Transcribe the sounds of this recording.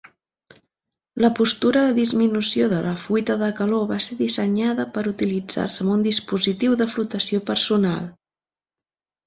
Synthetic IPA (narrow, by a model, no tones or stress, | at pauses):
ləpust̪uɾəðəðizminusioðəlʔəfuit̪əðəkəloβaseðisəɲaðəpəɾut̪ilid͡za̰rsəmund̪ispuzit̪iwðəflut̪əsiopəɾsuna̰lˠ